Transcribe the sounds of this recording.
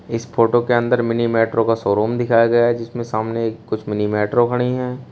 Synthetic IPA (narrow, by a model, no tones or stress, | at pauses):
ɪspʰoːʈokeɐ̃nd̪əɾmɪnimeːʈɾokasɔːɾuːmd̪ɪkʰaːjaɡɐjaɦɛd͡ʒɪsmẽsaːmnekːʊt͡ʃʰmɪnimɛːʈɾokʰɐɽ̃iɦɛ̃ː